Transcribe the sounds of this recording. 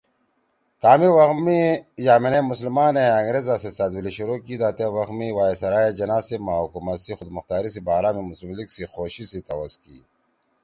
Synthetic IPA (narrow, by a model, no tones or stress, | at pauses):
k̪aːmiwɐxmijaːmenemuslmaːneɐŋɡɾezasesad̪wiliɕuɾoːkid̪aːt̪ewɐxmiwaːesɐɾaːjed͡ʑɐnaːsemaːukumɐsixʊd̪mɐxt̪aːɾis̬ibaːɾaːmimuslmliksixoːɕisit̪ɐwɐskḭː